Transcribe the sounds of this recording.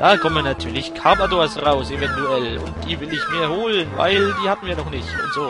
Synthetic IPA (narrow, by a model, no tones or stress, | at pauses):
d̥aːkʰɔmənatʰyːɐlɪçkʰaːbadoɐsʁaʊsevɛntuɛlʊ̰nt̚d̥iːvɪlɪçmiːɐhoːlənva̰ɪldiːhaːbm̩viːɐnɔχnɪçtʊ̰ntz̥oː